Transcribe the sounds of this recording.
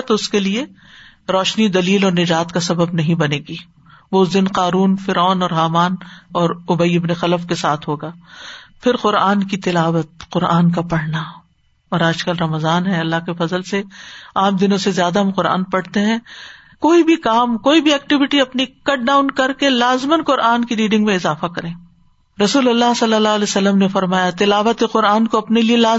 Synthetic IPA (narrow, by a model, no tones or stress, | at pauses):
t̪ʊskelie | ɾɔːʃnid̪ɐliːlɔːɾnɪd͡ʒaːt̪kasɐbəbnɐɦĩbɐneːɡiː | ʋoʊs̬d̪ɪnqaːɾuːnfɪɾɔːnɔːɾɦaːmaːnɔːɾʊbəiɪbnexɐləfkesaːt̪ʰɦoːɡaːpʰɪɾqʊɾaːnkit̪ɪlaːʋət̪̚qʊɾa̰ːnk̬apɐɽ̤na | ɔːɾaːd͡ʒkɐlɾɐməzaːnɦɛɐlːaɦkefɐzəlseaːmd̪ɪnõsezjaːd̪aɦɐ̃mqʊɾa̰ːnpɐɽ̤t̪eɦɛ̃ | koːibʱikaːmkoːibʱiɛːk̚ʈɪʋɪʈiɐpnikɐʈ̚ɖaːʊnkɐɾkelaːzmənqʊɾʔaːnkiɾiːɖɪ̃ŋɡmẽɪzaːfakɐɾẽː | ɾɐsuːlɐlːaɦsɐlːəlːaːleːsɐlːəmnefɐɾmaːjat̪ɪlaːʋət̪eqʊɾaːnkoɐpnelielaː